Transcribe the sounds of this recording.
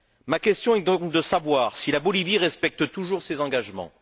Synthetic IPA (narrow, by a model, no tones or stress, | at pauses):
makʲɛst̪jɔ̃ɛd̪ɔ̃kd̪əsavwaːʁsilabɔliviʁɛspɛk̚t̪ət̪uʒuʁsezɑ̃ɡaʒmɑ̰̃